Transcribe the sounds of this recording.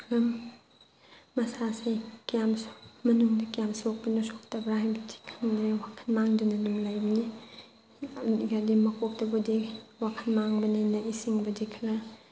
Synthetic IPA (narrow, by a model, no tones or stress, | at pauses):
kʰlɐm | mɐsasekijammɐnuŋdikijamsok̚bɐnusok̚tɐbɾaɦajbɐdi̥kʰamdewakʰɐnmaŋdɯnɐnumlajbni | ɡadimɐkʰok̚tɐbudiwakʰɐnmaŋbɐnajnɐisiŋbɐdikʰlɐ